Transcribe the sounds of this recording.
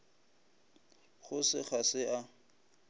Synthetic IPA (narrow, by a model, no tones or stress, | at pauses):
χʊsɪχasɪʔa